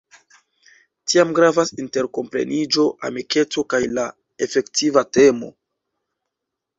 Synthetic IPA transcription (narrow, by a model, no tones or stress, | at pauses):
tiamɡɾavasinte̞ɾko̞mpɾe̞̰nid͡ʒo̞ʔa̰mike̞t͡so̞kajla | e̞fe̞ktivate̞mo̞̰